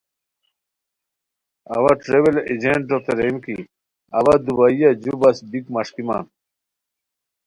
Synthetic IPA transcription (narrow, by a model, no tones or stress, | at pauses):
ɐwaʈɾebeled͡ʑeɳʈoft̪eɾemki | ɐwɐd̪ubaijɐd͡ʑubɐsbikmɐʂkima̰n